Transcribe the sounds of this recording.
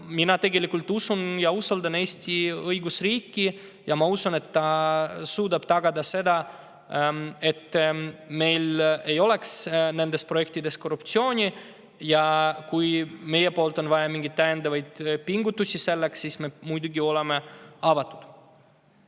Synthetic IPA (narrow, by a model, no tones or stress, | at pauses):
minɑt̪e̞ɡe̞likːult̪ːusunjɑusold̪ɑne̞ːsʲt̪iɤjɡusriːkːi | jɑmɑusune̞t̪ːɑsuːd̪ɑb̥t̪ɑɡ̥ɑd̪ɑse̞d̪ɑ | e̞t̪ːme̞jle̞jo̞le̞ksne̞nd̪espro̞je̞k̚t̪id̪e̞sko̞rːupt̪sio̞ːnʲi | jɑkujme̞jepo̞ːlt̪ˑo̞nvɑjɑmiŋɡit̪̚t̪ːæjend̪ɑvɑjd̪̥piŋɡut̪ːˑusʲise̞lːeksːiːsmemujd̪uɡio̞lemeɑvɑt̪ːˑu̥d̪̥